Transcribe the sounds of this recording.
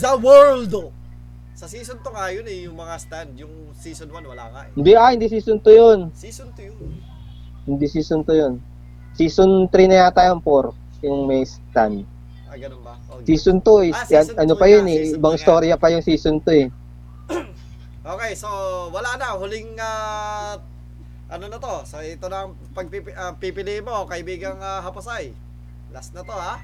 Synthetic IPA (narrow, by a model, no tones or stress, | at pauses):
dɐwɛɹld̪ | sɐsiːsont̪oŋajonɛjʊŋmɐŋast̪and̪jʊŋ | siːsonwanwɐlaŋahɪnd̪iʔaɪnd̪isiːsont̪ojon | nt̪ | hɪnd̪isiːsont̪ojon | siːsont̪ɾinɐjat̪ajɐmpoɾ | jʊŋmɛjst̪and̪̚ | ɡɐ | sisʊnt̪oɛʔɐnopɐjonɛɪbɐŋɪst̪o̞ːɾjɐpɐjʊŋsiːsʊnt̪oɛ | ʔoːkɛjsowɐlanɐhʊlɪŋa | ʔɐnonɐt̪o̞sɐɪt̪onɐŋ | pɐɡ̚pipapipɪlimokɐʔɪbiːɡɐŋaɦɐpɐsaj | lasnɐt̪oha